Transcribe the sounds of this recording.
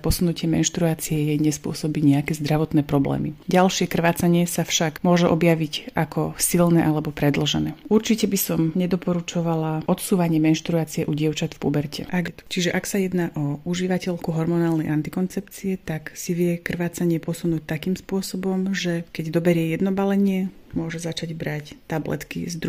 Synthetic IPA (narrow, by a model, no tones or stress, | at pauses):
pɔsunucɪɛmɛ̰nʃt̪ɾuaːt͡siɛjɛjɲɛspʊɔ̰sɔbiɲɛakɛːzd̪ɾaʋɔt̪nɛːpɾɔblɛ̰ːmḭɟalʃɪɛkr̩ʋaːt͡saɲɪɛsafʃakmʊɔʒɛʔɔbjaʋicʔakʰɔsilnɛːʔalɛbɔpɾɛd̪l̩ʒɛnɛːʔuɾt͡ʃicɛbisɔmɲɛd̪ɔpɔɾut͡ʃɔʋalaʔɔt̪suːʋaɲɪɛmɛnʃt̪ɾuaːt͡siɛʔuɟɪɛʊt͡ʃat̪fpubɛɾcʰɛ̰ʔaɡt̪u̥t͡ʃiʒɛʔaksajɛd̪naʔɔuʒiʋacɛʎkuɦɔɾmɔnaːlnɛjʔant̪ikɔnt͡sɛpt͡siɛt̪aksiʋɪɛkr̩ʋaːt͡saɲɪɛpɔsunuːc̚t̪akiːmspʊɔsɔbɔmʒɛkɛɟd̪ɔbɛɾɪɛjɛd̪nɔbalɛɲɪɛmʊɔʒɛzat͡ʃaɟbɾact̪ablɛ̰t̪kḭzd̪ɾu